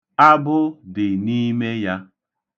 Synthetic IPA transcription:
a˦bʊ˦dɪ˨ni˦me˦ja˦

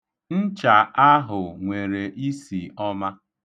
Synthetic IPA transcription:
n̩˦t͡ʃa˨ʔa˦ɦʊ˨ŋʷe˨ɾe˨ʔi˦si˨ɔ˦ma˦

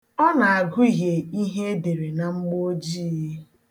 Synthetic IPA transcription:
ɔ˦na˨a˨ɡʊ˦i˦ɦe˨i˦ɦe˦e˦de˨ɾe˨na˨ŋ͡m̩˦ɡ͡bo˦d͡ʒi˦˨˦

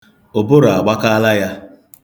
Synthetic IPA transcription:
ʊ˨bʊ˦ɾʊ˨a˨ɡ͡ba˦ka˦la˦ja˦

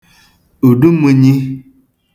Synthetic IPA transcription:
u˨ɖu˦mu˨ɲi˦

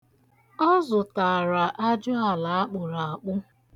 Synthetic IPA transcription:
ɔ˦zʊ˨ta˨ɾa˨ʔa˦d͡ʒʊ˦a˨la˨a˦k͡pʊ˨ɾa˨a˨k͡pʊ˦

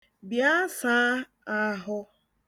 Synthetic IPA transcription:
bja˦sa˦ | a˦ɦʊ˦

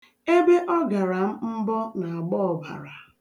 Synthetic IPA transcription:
e˦be˦ʔɔ˦ɡa˨ɾa˨m̩˦m̩˦bɔ˦na˨a˨ɡ͡bɔ˦ɔ˨ba̰˨ɾa˨

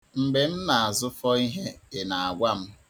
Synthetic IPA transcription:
ŋ͡m̩˨ɡ͡be˨m̩˦na˨a˨zʊ˦fɔ˦i˦ɦe˦ɪ˨na˨a˨ɡʷa˦m̩˦

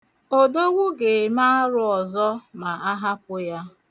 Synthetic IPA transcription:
o˨do˦ɡʷu˦ɡe˨ma˦ɾʊ˦ɔ˨zɔ˦ma˨a˦ɦa˦pʊ˦ja˦

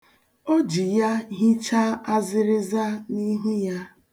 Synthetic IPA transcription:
o˦d͡ʒi˨ja˦ɦɪ˦t͡ʃa˦a˦zɪ˦ɾɪ˦za˦ni˦ɦu˦ja˦

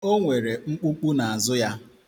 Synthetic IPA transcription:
o˦ŋʷe˨ɾe˨ŋ͡m̩˦k͡pu˦k͡pu˦na˨a˨zʊ˦ja˦

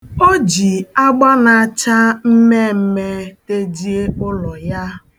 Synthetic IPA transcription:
o˦d͡ʒi˨a˦ɡ͡ba˦na˨a˨t͡ʃa˦m̩˦me˦m̩˦me˦te˦d͡ʒi˦e˦ʊ˦lɔ˨ja˦

